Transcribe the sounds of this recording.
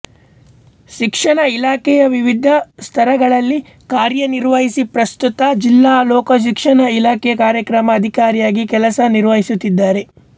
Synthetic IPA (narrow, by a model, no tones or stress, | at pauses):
ʃikʂɐɳɐilaːkɛjɐʋiʋid̪ʱɐst̪ʰɐɾɐɡɐɭɐlːi | kaːɾjɐniɾʋɐɦisipɾɐst̪ut̪ɐd͡ʒilːaːlɔːkɐʃ̬ikʂɐɳɐilaːkɛjɐkaːɾjɐkɾɐmɐːd̪ʱikaːɾijaːɡikɛlɐsɐniɾʋɐɦisut̪ːid̪ːaːɾe̞